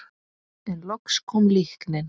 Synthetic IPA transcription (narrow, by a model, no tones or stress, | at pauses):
ɛnlɔkskʰɔmlihknɪn